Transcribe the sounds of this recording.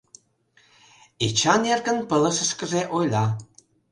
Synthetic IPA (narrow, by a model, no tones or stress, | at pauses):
et͡ʃanjarɡənpələsəskəzɛʔojlʲa